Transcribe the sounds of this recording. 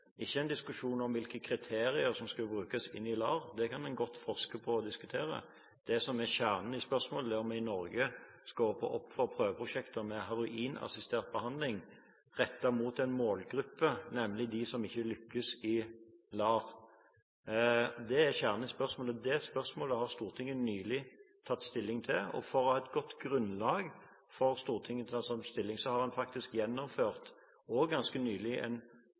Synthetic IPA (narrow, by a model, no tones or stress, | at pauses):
ɪçːəæɪnd̪ɪskʉʂuːnɔmʋɪlkəkʰʁɪt̪ʰeːɾɪəɾsɔmskɑlbɾʉːkɑsɪ̰nːɪlɑːʁd̪ɛkʰɑnɛɪnɡɔt̪ːfɔʁʂkəpʰɔɔd̪ɪskʉt̪ʰeːɾə̰ | d̪̥ɛsɔmɛçæːʁn̩ɪspœʁsmoːləd̪ɛɔmɛɪnɔɾɡəskoːʁəpʰɔ̰ʔɔpːfɔɾpʰɾøːʋəpʰɾʊʂɛkt̪əmɛɦɑɾʊʔiːnɑ̰sɪst̪ʰeːʁt̪̚bəhɑnd̪lɪŋ | ʁɛt̪ːɑmuːt̪ɛnmoːlɡɾʉpːənɛmlɪd̪ɪsɔmɪçːəlʏkːəsɪlɑːʁ | d̪ɛæçæːʁnəspœʁsmoːləd̪ɛspœʁsmoːləhɑʁst̪uːʁt̪ʰɪŋːənnyːlɪt̪ʰɑt̪ːst̪ɪlːɪŋt̪ʰɪlɔ̰fɔʁɑɛt̪ɡɔt̪ːɡʁʉnlɑːɡ | fɔʁst̪uːʁt̪ʰɪŋːəɑsɔmst̪ɪlːɪŋsɔhɑʁhɑnfɑk̚t̪ɪskjɛnːɔmføːʁt̪ | ɔɡːɑnskənyːlɪʔɛ̰n